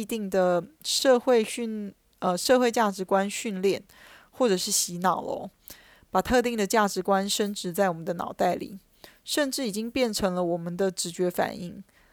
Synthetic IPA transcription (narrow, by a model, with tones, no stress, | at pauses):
i˧t̪i˥˩ŋd̪ə˩ʂɤ˥˧xwe˥˧ɪy˥˧n | ə˧ʂɤ˥˧xwe˥˧ɪt͡ɕja˥˩ʈ͡ʂɻ̩˧˥kwa˥nɕy˥˧nljɛ˥˩n | xwɔ˥˩ʈ͡ʂɤ˨˩ʂɻ̩˥˩ɕi˧˥nɑ˨˩ʊlə̰˦ | pa˨˩t̪ʰɤ˥˧t̪i˥˩ŋd̪ə˩t͡ɕja˥˩ʈ͡ʂɻ̩˧˥kwa˥nʂə˥nʈ͡ʂɻ̩˧˥t͡sa˥˩ɪwɔ˨˩mə˦nd̪ə˧nɑ̰˨˩ʊt̪a˥˩ɪlḭ˨˩ | ʂə˥˧nʈ͡ʂɻ̩˥˩i˨˩t͡ɕi˥ŋpjɛ˥˩nʈ͡ʂʰɤ˧˥ŋlə˧wɔ˨˩mə˦nd̪ə˧ʈ͡ʂɻ̩˧˥t͡ɕɥɛ˧˥fa̰˨˩ni˥˩ŋ